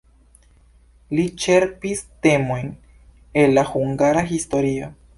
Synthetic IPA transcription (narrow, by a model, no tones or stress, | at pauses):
lit͡ʃe̞ɾpiste̞mo̞jn | e̞lːahuŋɡaɾaɦisto̞ɾio̞